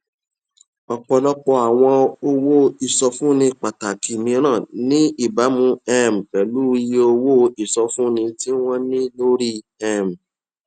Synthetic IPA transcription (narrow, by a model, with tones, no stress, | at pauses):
ɔ˨k͡pɔ˧lɔ˦k͡pɔ˧a˨w̃ɔ̃˧o˧wo˦i˨sɔ˧fũ˦nĩ˧k͡pa˨ta˨ki˨mĩ˧ɾ̃ãː˦˨nĩ˦i˦˨ba˨˦mũ˧ɛ˦m̩˨k͡pɛ˨lu˦i˧je˦o˧wo˦i˨sɔ˧fũ˦nĩ˧ti˦w̃ɔ̃˦nĩ˦lo˦ɾi˦ | ɛ˦˨m̩˨